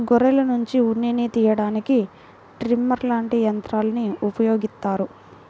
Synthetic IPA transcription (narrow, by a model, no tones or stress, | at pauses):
ɡɔɾɛlɐnuɲt͡ʃiunːinit̪iːjɐɽaːniki | ʈɾimɐɾlaːɳʈijɐnt̪ɾaːlɐniupɐjo̞ːɡist̪ːaːɾu